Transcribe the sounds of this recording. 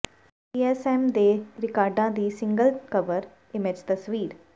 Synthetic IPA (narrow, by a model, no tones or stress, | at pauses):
iːɛːsɛːmd̪eːɾɪkaːɾɖãːd̪iːsɪ̃ŋɡəlkəʋəɾ | ɪmɪd͡ʒt̪əsʋiːɾ